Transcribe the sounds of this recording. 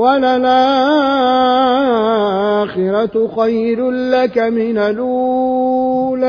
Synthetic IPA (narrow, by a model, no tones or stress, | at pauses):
walalʔaː | xɪɾˤatxajɾʊlakamɪnalʔu | la